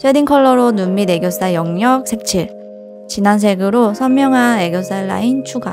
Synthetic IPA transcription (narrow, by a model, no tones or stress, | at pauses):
t͡ɕʰwediŋkʰʌɭːʌɾonunmide̞ɡjos͈ajʌŋɲʌk̚sʰe̞k̚t͡ɕʰiɭ | t͡ɕinans̬ʰe̞ɡɯɾosʰʌmːjʌŋɦane̞ɡjos͈aɭːa̰int͡ɕʰuɡa̰